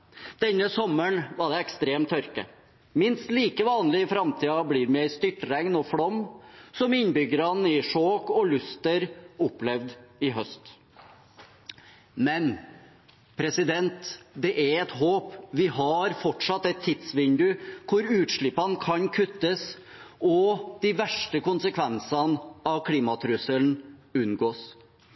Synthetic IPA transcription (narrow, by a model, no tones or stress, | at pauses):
d̪̥ɛnːəsɔmːəɳʋɑɖɛɛkst̪ɾeːmt̪ʰːœɾkə̰ | mɪnst̪liːkəʋɑːnlɪɪfɾɑmt̪ʰiːɑbliːɾmɛæɪst̪ʏʈɾɛŋnɔfɽɔmːsɔmɪnbʏɡəɾɑnɪʂoːkɔlʉst̪əɾʊpːlɛʋd̪ɪɦœst̪ | mɛn | pʰɾɛsɪd̪ɛnt̪d̪ɛʔɛɾɛt̪ɦoːpʋɪhɑɾfɔʈʂɑt̪ːɛt̪ʰːɪd̪sʋɪnd̪ʉkʰʊɾʉːt̪ʂɭɪpːɑnkʰɑnkʰʉt̪ːəs | ɔd̪̥ɪʋæʂʈəkʊnsəkʰʋɛnsɑnɑʋkʰliːmɑt̪ʰɾʉsəln̩ʉnɡoːs